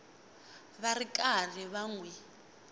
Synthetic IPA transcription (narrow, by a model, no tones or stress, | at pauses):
βarikʼar̤iβaŋwɛ